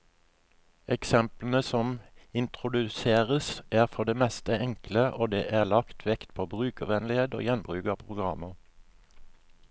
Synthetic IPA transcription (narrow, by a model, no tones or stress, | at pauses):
ʔɛksɛmpln̩əsɔmɪnt̪ʁʊd̪ʉseːʁəsæːʁfɔʁd̪eːmɛst̪əɛŋkləʔoːd̪ḛːʔæːʁlɑkt̪ʰʋɛkt̪pʰoːbʁʉːkəʁʋɛnlɪheːd̪o̰ːjɛnbʁʉːkɑːpʰʁʊɡʁɑməʁ